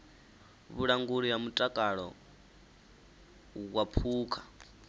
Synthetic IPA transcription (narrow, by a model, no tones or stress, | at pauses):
βuɺaŋɡuɺijamutʼakʼaɺɔ̰ | ɣwapʰuːkʰḁ